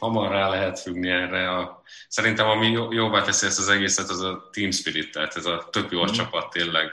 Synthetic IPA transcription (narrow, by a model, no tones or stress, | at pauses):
hɒmɒrːaːlɛɦɛt̪fyɡniɛrːɛɒ | sɛɾint̪ɛmɒmiojoːvaːt̪ɛsiɛst̪ɒzɛɡeːsɛt̪ɒzɒt̪iːmspiɾit̪ːɛːt̪ɛzɒt̪ø̞bjoːlt͡ʃɒpɒt̪ːeːnlɛɡ